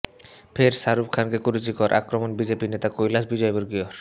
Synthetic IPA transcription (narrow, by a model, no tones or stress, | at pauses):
pʰeɾsaɾup̚kʰankekuɾut͡ɕikɔɾʔa̰kɾomonbid͡ʑepinet̪akojlasbid͡ʑɔeboɾɡioɾ